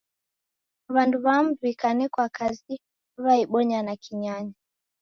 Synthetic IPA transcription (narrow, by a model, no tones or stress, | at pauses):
βanduβamβikanɛkwakazi | βaiɓɔɲanakʰiɲaɲa